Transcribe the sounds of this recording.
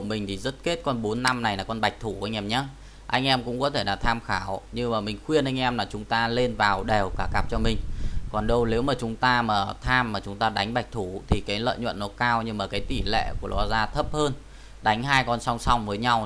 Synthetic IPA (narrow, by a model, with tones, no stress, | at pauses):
mï˨˩ŋ̟t̪ʰi˨˩zə˦˥t̚ke˦˥t̚kɔ˧nɓo˨˦nːa˧mna˨˩jlaː˨˩kɔ˧˩nɓa˨˩jk̚t̪ʰu˧˩ʔa˧jŋ̟ʔɛ˧mɲaː˨˦ | ʔa˧jŋ̟ʔɛ˧mkʊ̰˧˥ŋ͡mkɔ˨˦t̪ʰe˧˩la̰ː˨˩t̪ʰaː˧mxaː˧˩wɲɨ˧maː˨˩mï˨˩ŋ̟xwi˧ənʔa˧jŋ̟ʔɛ˧mlaː˨˩t͡ɕʊ˨˦ŋ͡mt̪aː˧le˧nvaː˨˩wɗɛ˨˩wkaː˧˩ka˨˩p̚t͡ɕɔ˧mï˨˩ŋ̟kɔ˨˩nɗə˧wle˨˦wmaː˨˩t͡ɕʊ˨˦ŋ͡mt̪aː˧maː˨˩t̪ʰaː˧mːaː˨˩t͡ɕʊ˨˦ŋ͡mt̪aː˧ɗa˨˦jŋ̟ɓa˨˩jk̚t̪ʰu˧˩t̪ʰi˨˩kaː˨˦jlə̰ː˧˨jɲwə̰˧˨nːɔ˨˦kaː˧wɲɨ˧maː˨˩kaː˨˦jt̪i˧˩lḛ˧˨ku˧˩əlɔ˨˦zaː˧t̪ʰə˦˥p̚həː˧n | ɗa˨˦jŋ̟ɦaː˧jkɔ˧˩nsa˧wŋ͡msa˧wŋ͡mvəː˨˦jɲa˧w